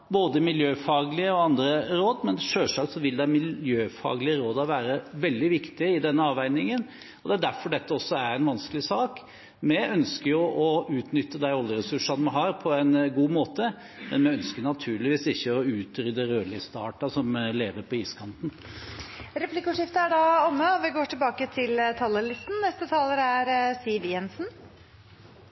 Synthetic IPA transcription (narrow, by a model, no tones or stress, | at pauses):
boːd̪əmɪljøːfɑːɡlɪəɔɑnd̪ɾəɾoːd̪mɛnʂøːʂɑksɔʋɪld̪æmɪljøːfɑ̰ːɡlɪəɾoːd̪ɔʋæːɾəʋɛld̪ɪʋɪkt̪ɪɪd̪ɛnːəɑːʋæɪnɪŋən | ɔd̪ɛæɖæɾfɔɖɛt̪ːəɔsːɔæɾɛɪnʋɑnskəlɪsɑːk | mɛœnskəɾjʊʔɔʉːt̪nʏt̪ːəd̪æɪɔljəɾɛsʉʂɑnmɑɦɑːɾpʰɔæɪnɡuːmoːt̪ə | mɛ̰nmɛœnskəɾnɑt̪ʰʉːɭɪʋiːsɪçːəɔʉːt̪ɾʏd̪əɾøːɭɪst̪ɑ̰ːʈɑsɔmleːʋəɾpʰɔiːskʰɑnt̪n̩ | ɾɛpʰlɪkːəʉʂɪft̪əæɖɑɔmːəɔʋɪɡoːʈʰɪlbɑːkət̪ʰɪlt̪ʰɑlːəlɪst̪n̩nɛst̪ət̪ʰɑːləɾæɾsiːʋjɛnsn